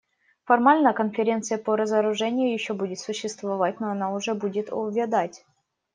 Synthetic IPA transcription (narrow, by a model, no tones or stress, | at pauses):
fɐrmalʲnəkənfʲɪɾʲe̞nt̪sɨjəpəɾəzəɾʊʐɛnʲɪjʊjɪɕːobudʲɪt̪sʊɕːɪst̪vɐvat̚ʲnoɐnaʊʐɛbudʲɪt̪ovʲɪd̪atʲ